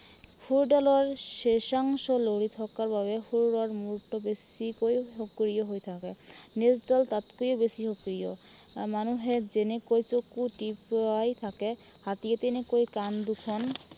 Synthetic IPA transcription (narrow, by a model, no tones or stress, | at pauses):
fʰuɾɖalɔɹʃeʃaŋʃɔloɽit̪ʰɔkaɾbaβefʰuɾɾaɹmulʈɔbesikojɦokɾijɔɦojt̪ʰakenesdalt̪at̪kojobesiɦokɾiɔ | manuɦed͡ʑenekojt͡sokuʈipajt̪ʰake | hat̪iet̪enekojkand̪ukʰɔn